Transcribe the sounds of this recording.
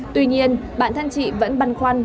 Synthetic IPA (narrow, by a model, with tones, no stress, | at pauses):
t̪wi˧ɲi˧ənɓa̰ː˧˨nt̪ʰa˧ŋt͡ɕḭ˧˨və̰˧˥nɓa˨˧˩nxwa˧n